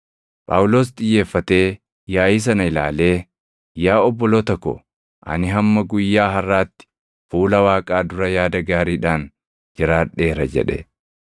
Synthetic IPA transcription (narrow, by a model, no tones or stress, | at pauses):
pʼa̰ːwʊlo̞ːs̬t̪ʼɪjːe̞ːfːɐt̪e̞ː | jaːjiːs̬ɐnɐɪla̰ːle̞ː | jaːɔbːɔloːt̪ɐkːɔ̰ | ʔɐ̰nɪɦɐmːɐɡʊjːaːɦɐrːaːt̪ːɪ̥ | fuːlɐwaːkʼaːd̪ʊɾɐjaːd̪ɐɡaːɾiːᶑaːn | d͡ʒɪɾaːᶑːe̞ːɾɐd͡ʒɛ̰ᶑɛ̰